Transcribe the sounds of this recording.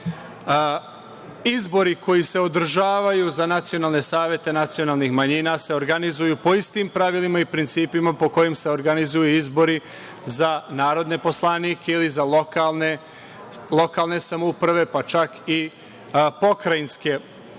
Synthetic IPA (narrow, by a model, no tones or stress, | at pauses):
izbo̞ɾiko̞jise̞od̪ɾ̩ʒaːʋajuzanat̪sijo̞naːlˠne̞saːʋje̞t̪e̞nat̪sio̞naːlˠnixmaɲinase̞o̞ɾɡanizujupo̞ist̪impɾaʋilimaipɾint̪siːpimapo̞ko̞jemse̞o̞ɾɡanizujuizbo̞ɾi | zanaːɾo̞d̪ne̞po̞slˠaniːkʰeilizalokalne | lˠo̞kalˠne̞samoupɾaʋe̞pat͡ʃaki | po̞kɾajinske̞